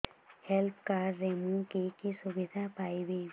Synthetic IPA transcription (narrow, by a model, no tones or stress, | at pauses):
hɛlpkaːɾːemũkikisʊbɪd̪ʱapaːibi